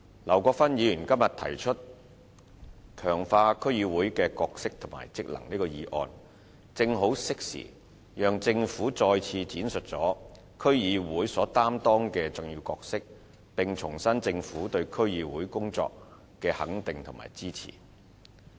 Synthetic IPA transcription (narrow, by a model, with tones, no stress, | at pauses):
lɐ˨˩wkɔː˧k̚fɐ˥njiː˨˧jyː˨˩nkɐ˥mjɐ˨t̪ʰɐ˨˩jt͡ʃʰɵ˥t̚ | kʰœː˨˩ŋfaː˧kʰɵ˥ɥjiː˨˧wuː˨˥jkɛː˧kɔː˧k̚sɪ˥k̚t̪ʰʊ˨˩ma̰ː˨˩jt͡sɪ˥k̚lɐ̰˨˩ŋliː˥kɔː˧jiː˨˥ʔɔ̰ː˨˧n | t͡sɪ˧ŋɦo˨˥wsɪ˥k̚sḭ˨˩ | jœː˨˧ŋt͡sɪ˧ŋfuː˨˥t͡sɔː˧jt͡sʰiː˧t͡siː˨˥nsɵ˨t̚t͡sɔː˨˥ | kʰɵ˥ɥjiː˨˧wuː˨˥jsɔː˨˥t̪aː˥mt̪ɔː˥ŋkɛː˧t͡sʊ˨ŋjiː˧wkɔː˧k̚sɪ˥k̚ | pɪ˨ŋt͡sʰʊ˨˩ŋsɐ˥nt͡sɪ˧ŋfuː˨˥t̪ɵ˧ɥkʰɵ˥ɥjiː˨˧wuː˨˥jkʊ˥ŋt͡sɔ̰ː˧k̚ | kɛː˧hɐ˨˥ŋt̪ɪ˨ŋt̪ʰʊ˨˩ma̰ː˨˩jt͡siː˥t͡sʰḭː˨˩